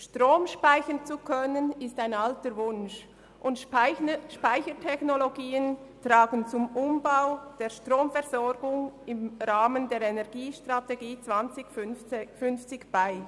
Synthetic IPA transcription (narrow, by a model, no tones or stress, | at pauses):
ʃtʁoːmʃpaɪçənt͡sukʰœnənɪstaɪnaltəɾvʊnʃ | ʔʊnt | ʃpaɪçətʰɛçnoloɡiːən | tɾaːɡənt͡sʊmʊmbaʊd̥eːʃtʁoːmfɛɐzɔɾɡʊŋɪmɾaːməndeːɾɛnɛʁɡiːʃtʁateɡiːt͡sv̥ant͡sɪç̥ffʏnft͡sɪkb̥aɪ